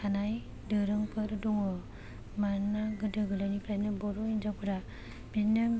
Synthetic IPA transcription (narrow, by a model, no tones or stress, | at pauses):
anaj | dɯɾɯŋpʰɯɾɯdɔŋɯ | maɾnaɡɯdɯɡɯlanikʰɾajnɯbɔɾɔind͡ʒapʰɯɾa | b̥ina